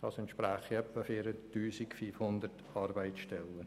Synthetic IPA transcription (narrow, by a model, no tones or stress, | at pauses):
d̥ɑːsɛnt̪ʃpɾæːχiɛpːəfɪɾəttyːsikfyːfhʊnd̪əɾtɑɾbaɪsʃtɛlːə